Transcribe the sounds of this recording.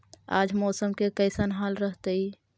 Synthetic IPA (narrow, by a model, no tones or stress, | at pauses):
a̰d͡ʒʱmɔːsəmkekəɪsənɦalɾəɦt̪əi